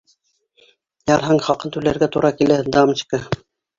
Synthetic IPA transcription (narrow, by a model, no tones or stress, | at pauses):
jɑɾɦɑɴχɑqɤnt̪ʉlæɾɡæt̪uɾʔɑkilæd̪ɑmt͡ɕkɑ